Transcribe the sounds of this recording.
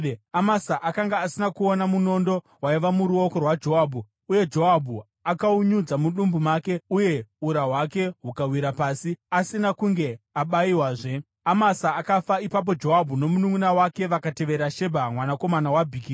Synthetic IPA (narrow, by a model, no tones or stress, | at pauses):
amasaʔakaŋɡaːsinakuonamuno̞ndo̞ | waiʋamuɾuo̞ko̞rwad͡ʒo̞ɦabʱu | uje̞d͡ʒo̞abʱu | akauɲud͡zamuɗumbumake̞uje̞uɾawake̞ɦukawiɾapaːsiasinakuŋɡe̞aɓaiwaːʐe̞ | amasaːkafaipap̬o̞d͡ʒo̞ɦabʱuno̞munuŋunawake̞ʋakate̞ʋe̞ɾaʃe̞bʱamwanako̞manawabʱiːki